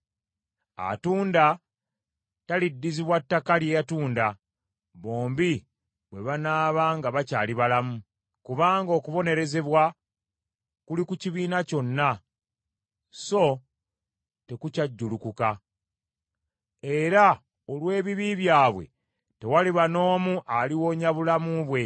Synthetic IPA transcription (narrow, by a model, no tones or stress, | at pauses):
a̰tuːnda | talidːiziβwatːakaljejatuːnda | βo̞ːmbi | βweβanaːβaːŋɡaβacaːliβalamu | kuβaːŋɡo̞ːkuβo̞ne̞ɾe̞ze̞βwa | kulikuciβiːnaco̞nːa | so̞ | te̞kucaɟːulukuka | e̞ɾa | olwe̞ːβiβiβjaːβwe̞̰ | te̞waliβano̞ːmuʔaliwo̞ːɲaβulamuβwe̞